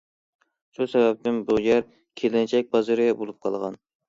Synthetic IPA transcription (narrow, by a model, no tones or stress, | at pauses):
ʃusɛbæp̚t̪ɪnbujɛɾ | kʲʰelɪnt͡ʃʰɛk̚ʲbɑzɨɾɪɛbolˠup̚qʰɑlˠʁɑn